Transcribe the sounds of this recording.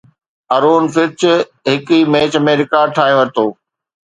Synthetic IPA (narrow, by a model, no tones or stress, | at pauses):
ɐɾoːnfɪɾt͡ɕɪɦɪkimeːt͡ɕɐmẽɾɪkaːɖ̚ʈʰaːɦijoʋɐɾt̪oː